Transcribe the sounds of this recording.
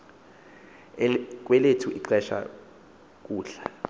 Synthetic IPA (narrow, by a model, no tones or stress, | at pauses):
k̬ʼwɛletʰuʔiǃɛʃa̰ | k̬ʼuːɬa